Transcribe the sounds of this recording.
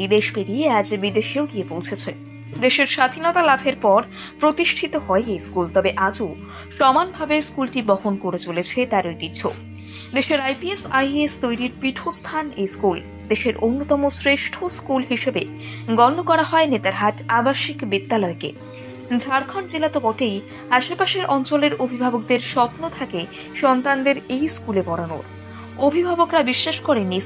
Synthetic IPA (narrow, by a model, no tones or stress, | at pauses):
id̪eʃbeɾiead͡ʑbid̪eʃioɡiepowt͡ɕʰet͡ɕʰe | d̪eʃeɾʃad̪ʱinɔt̪alabʱeɾpɔɾ | pɾot̪iʃʈʰit̪oɦɔeejskult̪ɔbeʔad͡ʑo | ʃɔmanbʱabeskulʈibɔhonkoɾet͡ɕolet͡ɕʰet̪aɾojd̪iɾd͡ʑʰo | d̪eʃeɾajpiesajest̪ojɾiɾpiʈʰost̪ʰanejskul | d̪eʃeɾʔonːot̪ɔmosɾeʃʈʰoskulɦiʃebe | ɡɔnːokɔɾaɦɔenet̪aɾɦaʈabaʃikbid̪ːalɔekḛ | d͡ʑʱaɾkʰɔnt͡ɕelat̪opɔʈej | aʃepaʃeɾʔɔnt͡ɕoleɾobʱibʱabok̚d̪eɾʃɔpnot̪ʰake | ʃɔnt̪and̪eɾejskulebɔɽano̰ɾ | obʱibʱabokɾabiʃːaʃkɔɾenːi